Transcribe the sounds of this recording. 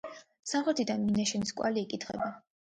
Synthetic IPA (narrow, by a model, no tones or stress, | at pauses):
samχɛɾt̪ʰid̪anminaʃɛniskʼwa̰liːkʼit̪ʰχɛ̰ba